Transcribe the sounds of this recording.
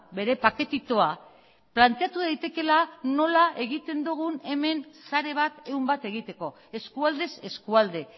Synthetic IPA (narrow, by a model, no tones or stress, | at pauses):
βe̞ɾe̞pake̞t̪it̪o̞a | plant̪e̞at̪uð̞ajt̪e̞ke̞lano̞lae̞ɣit̪e̞nd̪uɣ̞une̞me̞nsaɾe̞β̞at̪e̞umbat̪e̞ɣ̞it̪e̞ko̞ | e̞skuald̪e̞se̞skuald̪e̞